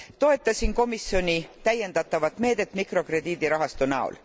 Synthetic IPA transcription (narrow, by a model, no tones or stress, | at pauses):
t̪o̞e̞t̪ːˑɑsinko̞misjo̞nʲit̪æjːe̞nd̪ɑt̪ːˑɑvɑt̪ːˑme̞ːd̪̥e̞t̪ːˑmikro̞kre̞d̪iːd̪̥iɾɑɦɑst̪unæo̰l